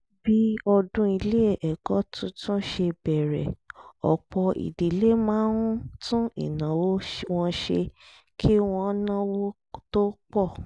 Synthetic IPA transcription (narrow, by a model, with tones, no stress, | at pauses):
bi˦ɔ˧dũ˦i˧le˦e˦˨ʔɛ˨ɡɔ˨˦tʰũ˦tũ˦ʃe˧bɛ˨ɾɛ̰˨ɔ̰˨k͡pɔ˧ḭ˨di˨le˦mãː˦ɾũ˦tũ˦ḭ˦˨nã˨wo˦w̃ɔ̃˧ʃe˧ | kʰi˦w̃ɔ̃˧˦nã˦wo˦ | to˦k͡pɔ˦˨